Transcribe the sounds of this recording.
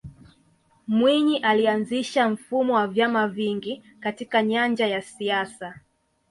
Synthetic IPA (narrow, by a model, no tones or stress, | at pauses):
mwiɲiʔalianziʃam̩fumɔwavjamaviŋɡi | katikaɲand͡ʒajasiasa